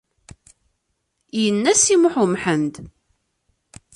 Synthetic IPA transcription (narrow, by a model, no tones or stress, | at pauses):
jənːæsimʊħʊmħənd̪